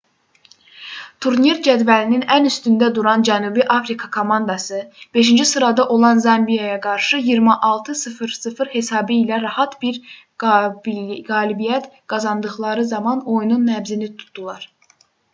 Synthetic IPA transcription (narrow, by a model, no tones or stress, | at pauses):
t̪ʰuɾniɾd͡ʒæd̪vælininænyst̪ynd̪æd̪uɾɑnd͡ʒænubiʔɑfɾikʰɑkʰo̞mɑnd̪ɑsɯb̥e̞ʃind͡ʒisɯɾɑd̪ɑʔo̞lˠɑnzɑmbijɑjɑɡɑɾʃɯjiɾmɛʔɑlˠt̪ʰɯsɯfɯɾsɯfɯɾhe̞sɑːbɯilæɾɑhɑt̪biɾ | bɡɑːlibijæt̪ɡ̥ɑzɑnd̪ɯχlˠɑɾɯzɑmɑno̞jununːævzinit̪ʰu̥t̪ʰd̪ulˠɑɾ̥